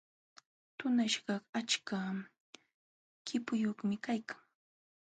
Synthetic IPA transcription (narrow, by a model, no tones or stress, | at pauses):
t̪ʊnaʃɢɑqat͡ʃka | kɪpʊjoχmɪkajkʰḁŋ